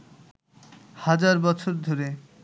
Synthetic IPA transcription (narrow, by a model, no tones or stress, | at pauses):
had͡ʑaɾbɔt͡ɕʰoɾd̪ʱoɾe